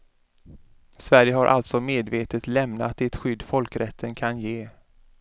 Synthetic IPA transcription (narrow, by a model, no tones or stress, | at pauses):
svæɾjəɦaɾʔa̰lt̪sɔmeːd̪veːt̪ət̪lɛmnat̪̚d̪ɛt̪ɧʏd̪ːfɔlkɾɛt̪ʰːənkʰanjeː